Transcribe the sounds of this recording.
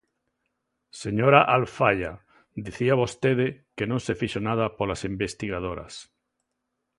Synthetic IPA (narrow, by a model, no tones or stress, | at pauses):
seɲoɾaʔalfaʎa | d̪iθiaβost̪eðekenõnsefiʃonað̞apolasimbest̪iɣað̞oɾa̰s